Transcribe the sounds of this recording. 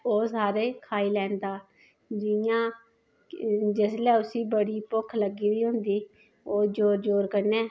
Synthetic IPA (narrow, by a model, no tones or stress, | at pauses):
oːsaːɾeːkʰaːiːlɛːnd̪aː | d͡ʒɪjãː | d͡ʒɪslɛːʊsiːbəɽiːpʊkʰləɡiːʋiːɦʊ̃nd̪iː | oːd͡ʒoːɾd͡ʒoːɾkəɾnɛː